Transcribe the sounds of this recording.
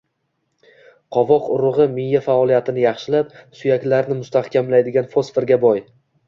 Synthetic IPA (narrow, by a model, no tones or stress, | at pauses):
qʰɒvɒqʊɾʊʁɨmɪjːafaɒlijat̪ʰɪnɪjɑχʃɪlapsʊjakʲlaɾnɪmʊst̪ʰahkʲamlajd̪ɪɡʲanfosfeɾɡʲabɒj